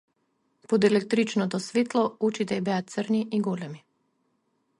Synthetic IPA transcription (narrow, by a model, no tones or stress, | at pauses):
pod̪ɛlɛk̚t̪ɾit͡ʃnɔt̪ɔsvet̪lˠɔut͡ʃit̪ɛjbɛat̪t̪sərniʔiɡɔlɛmi